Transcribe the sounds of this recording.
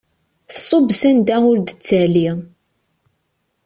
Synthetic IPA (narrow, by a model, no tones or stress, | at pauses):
θsˤobsænd̪æʊɾd̪ət͡sːəʕli